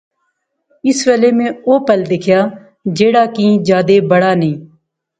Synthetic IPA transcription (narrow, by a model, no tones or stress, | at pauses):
ɪsʋəleːmẽːoːpəld̪ɪkʰjaː | d͡ʒeːɽaːkĩːd͡ʒjaːd̪eːbəɽaːnĩː